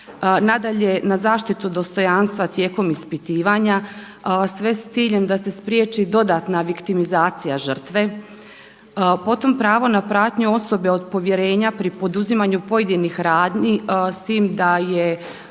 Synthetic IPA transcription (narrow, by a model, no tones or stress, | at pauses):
nad̪aʎe̞nazaːʃt̪it̪ud̪o̞st̪o̞janst̪ʋat̪je̞ːko̞mispit̪iːʋaɲa | sʋe̞st̪siːʎe̞md̪ase̞spɾjet͡ʃid̪o̞d̪aːt̪naʋikt̪imizaːt̪sijaʒər̩t̪ʋe̞ | po̞t̪o̞mpɾaːʋo̞napɾaːt̪ɲuo̞so̞be̞o̞d̪̚po̞ʋje̞ɾe̞ːɲapɾipo̞d̪uzimaɲupo̞je̞d̪inixɾaːd̪ɲist̪iːmd̪aje